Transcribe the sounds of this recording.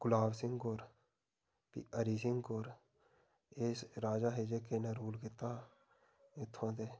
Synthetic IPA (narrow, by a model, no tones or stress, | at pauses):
ɡʊlaːbsɪ̃ŋɡkoːɾ | pḭəɾiːsɪŋɡkoːɾ | eːsɾaːd͡ʒaːɦeːd͡ʒeːkeːnəɾuːlkɪt̪ːaː | ɪt̪ʰːãːt̪eː